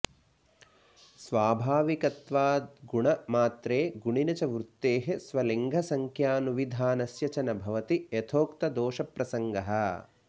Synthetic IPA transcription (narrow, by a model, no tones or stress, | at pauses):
sʋaːbʱaːʋikɐt̪ʋaːd̪ɡuɳɐmaːt̪ɾeːɡuɳinɐt͡ʃɐʋɾut̪ːeːɦesʋɐleŋɡʱɐsɐŋkʰjaːnuʋid̪ʱaːnɐsjɐt͡ʃɐnɐbʱɐʋɐt̪iet̪ʰoːkt̪ɐd̪oːʃɐpɾɐsɐŋɡɐɦɐ̆